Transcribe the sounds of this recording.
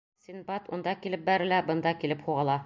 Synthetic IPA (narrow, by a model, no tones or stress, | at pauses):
sʲinbɑt̪und̪ɑkilɘp̚bæɾɘ̆læbɤ̆nd̪ɑkilɘpχuʁɑlˠɑ